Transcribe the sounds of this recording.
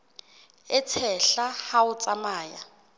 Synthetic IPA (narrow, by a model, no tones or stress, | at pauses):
ɪt͡sʰɛɬahaʊt͡sʼamaːja